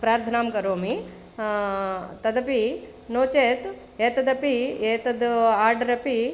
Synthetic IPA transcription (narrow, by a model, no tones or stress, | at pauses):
pɾaːɾt̪ʰɐnaːmkɐɾoːmi | t̪ɐd̪ɐpi | noːt͡ʃeːt̪ | eːt̪ɐd̪ɐpieːt̪ɐd̪aːɾɖɐɾɐpi